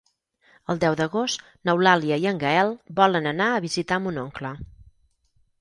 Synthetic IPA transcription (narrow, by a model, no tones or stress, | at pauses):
əlˠd̪ɛwd̪əɣost̪ | nəwlaliəiəŋɡəɛlˠbɔlənənaəβizit̪amunoŋklə